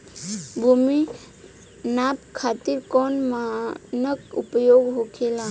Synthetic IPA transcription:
bʱumi | napkʰat̪iɾkɔnmanəkṵpəjoɡɦokʰela

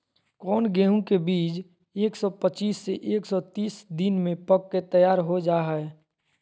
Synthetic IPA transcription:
kɔːnɡeːɦũkebiːd͡ʒ | eːksɔpət͡ʃiːsːeʔeːksɔt̪iːsd̪ɪnmẽpəkːet̪əjaːɾɦod͡ʒaːɦɛ

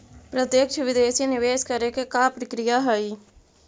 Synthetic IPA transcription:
pɾət̪jəkʃəʋɪd̪eːsinɪʋeːʃkəɾekekapɾɪkɾɪjaɦəiː

